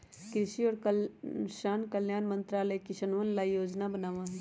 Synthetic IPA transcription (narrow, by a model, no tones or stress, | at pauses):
kɾɪʃiɔːɾkʃaːnkəljaːnmə̃nt̪ɾaːləekiʃɐnʋənlajoːd͡ʒnabənaːʋãːɦ